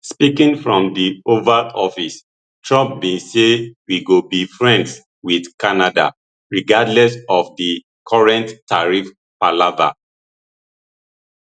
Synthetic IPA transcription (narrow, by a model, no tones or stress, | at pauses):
spikĩŋfɹɔ̃mdiovaɔfis | tʰɹɔ̃mp̚bĩnsewiɡobifɹɛ̃nds | wið̥kanada̰ | ɹiɡadlɛsɔvdi | kʰɔɹɛ̃nttːaɹif | palava̰